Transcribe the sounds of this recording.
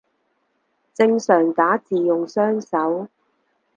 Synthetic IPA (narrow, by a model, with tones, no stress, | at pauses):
t͡sɪ˧ŋsœː˨˩ŋt̪aː˨˥t͡siː˨jʊ˨ŋsœː˥ŋsɐ˨˥w